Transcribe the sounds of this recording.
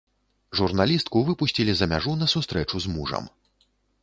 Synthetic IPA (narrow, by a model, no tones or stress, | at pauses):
ʐurnalʲist̪kuvɨpusʲt͡sʲilʲizɐmʲaʐunɐsust̪ɾɛt͡ʂuzmuʐɐ̰m